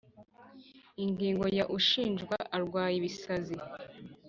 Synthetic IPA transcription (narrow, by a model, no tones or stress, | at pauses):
iŋɡiːŋɡo̞jaʔuʃiːnʒɡwaʔaɾɡwaːjiβisazi